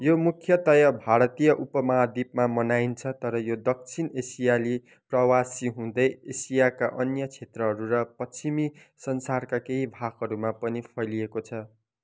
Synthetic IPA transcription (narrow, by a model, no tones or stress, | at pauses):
jomukʰjʌt̪ʌjʌbʱaɾʌt̪ijʌʔupʌmʌɦad̪ip̚mamʌnaint͡sʰʌt̪ʌɾʌjod̪ʌk̚t͡sʰinesijali | prʌwasiɦũd̪ʌjesijakaʔʌnjʌt͡sʰet̪rʌɦʌɾuɾʌpʌt͡simi | sʌnsarkakeɦibʱaɡɦʌɾumapʌnipʰʌjliekot͡sʰʌ